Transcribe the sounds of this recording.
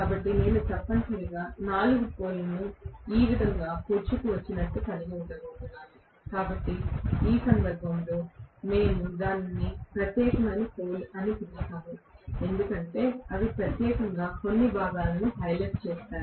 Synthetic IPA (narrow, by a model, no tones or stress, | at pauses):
kaːbɐʈːine̞ːnut̪ɐpːɐɳsɐliɡaːnaːluɡupo̞ːlɐnuiːʋid̪ʱɐŋɡaːpuːɾt͡ʃukuʋɐt͡ʃːinɐʈːupɐniɡeuɳɽɖɐɡoːʈ̪unːaːnu | kaːbɐʈːiiːsɐnd̪ɐɾbʱɐmlo̞ːne̞ːnud̪aːnnːipɾɐt̪jɛːkɐmɐnipoːlɐnip̪iɾɐt̪aːmue̞nd̪ukɐɳʈe̞ːɐd̪ipɾɐt̪jɛːkɐŋɡaːko̞nːibʱaːɡaːlɐnuɦɐjleʈt͡ʃɛːsaːɾu